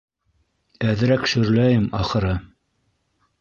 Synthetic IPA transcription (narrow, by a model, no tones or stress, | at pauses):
æðɘ̆ɾækʃɵ̆ɾlæjɘmɑχɤ̆ɾɤ